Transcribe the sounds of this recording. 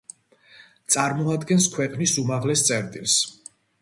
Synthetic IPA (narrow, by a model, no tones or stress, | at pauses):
t̪sʼaɾmɔad̪ɡɛnskʰwɛqʼnisumaʁlɛst̪sʼɛɾt̪ʼils